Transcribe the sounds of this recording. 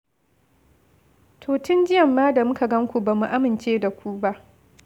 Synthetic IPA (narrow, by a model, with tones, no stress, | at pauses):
tʰoː˨tʊ˦nd͡ʒɪ˦jɐ˨mːaː˦da˨mʊ˦ka˨ɡɐ˦ŋkʷu˨ba˨mu˨ʔa˦mɪ˨nt͡ʃeː˦da˨kʷu˦ba˦ʔ